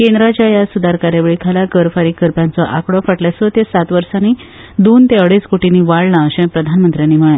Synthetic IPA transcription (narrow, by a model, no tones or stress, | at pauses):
kend̪ɾat͡ɕjajasud̪aɾkaɾjaʋeɭikʰalaɡəɾfaɾiːkəɾpjãnt͡sɔʔakɽɔfəʈljasɔt̪esat̪ʋəɾsani | d̪ont̪eəɽeskoʈiniːʋaɭnãəɕẽpɾəd̪ʱanmənt̪ɾjanːiːm̤əɭã